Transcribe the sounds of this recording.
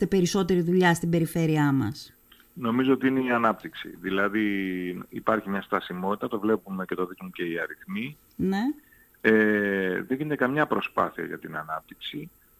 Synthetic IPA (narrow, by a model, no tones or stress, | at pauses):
t̪epe̞ɾiso̞t̪e̞ɾiðuʎɐst̪ibe̞ɾife̞ɾiɐmɐ̰s | no̞mizo̞ot̪iineiɐnɐpt̪iksḭðilɐðiipɐɾçimɲɐst̪ɐsimo̞t̪i̥t̪ɐt̪o̞vle̞pume̞ce̞t̪oðikmuce̞iɐɾiθmi | ne̞ | eðeɲʝinet̪ekɐmɲɐpɾo̞spɐ̰θiɐ̰ʝɐ̰t̪inɐ̰nɐp̚t̪iksi